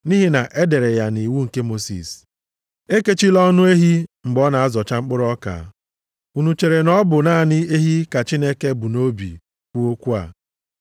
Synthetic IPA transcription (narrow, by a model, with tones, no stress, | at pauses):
ni˦ɦi˦na˨ʔe˦de˨ɾe˨ja˨ni˨wu˦ŋ̩˨ke˦mo˦sḭ˨s | e˦ke˦t͡ʃi˦lɔ˦nʊ˦e˦ɦi˦ŋ͡m̩˨ɡ͡bɔ˦na˨a˦zɔ˨t͡ʃa˦ŋ͡m̩˦k͡pʊ˦ɾɔ˦ka̰˨˦ | u˨nu˨t͡ʃe˨ɾe˨nɔ˦bʊ˨na˦˨nɪ˦e˦ɦi˦ka˨t͡ʃi˦ne˦ke˦bʊ˨no˦bḭ˨ | kʷu˦o˦kʷu˦a̰˨